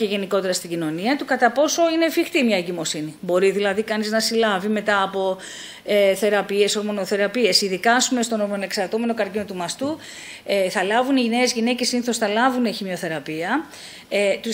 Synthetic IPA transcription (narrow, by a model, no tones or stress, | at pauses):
eʝe̞niko̞t̪e̞ɾɐst̪iɟino̞niɐt̪ukɐt̪ɐpo̞so̞ine̞fixt̪imɲɐeɟimo̞sinibo̞ɾiðilɐðikɐniznɐsilɐvime̞t̪ɐːpo̞ | eθe̞ɾɐpie̞so̞ɾmo̞no̞θe̞ɾɐpie̞siðikɐsumest̪o̞noɾmone̞ksɐɾt̪ome̞no̞kɐɾcinot̪umɐst̪u | eθɐlɐvuniʝinezʝine̞cesiniθo̞sθɐlɐvuneçimio̞θe̞ɾɐpiɐ | t̪u